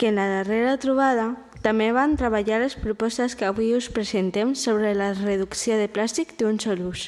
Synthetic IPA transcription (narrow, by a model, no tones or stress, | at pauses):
kenlaðereɾat̪ɾuβ̞aða | t̪ameβ̞ant̪ɾəβaʎalespɾupɔst̪əskaβuiuspɾezent̪emsoβɾelareðuksjoðeplast̪ikd̪unsɔlus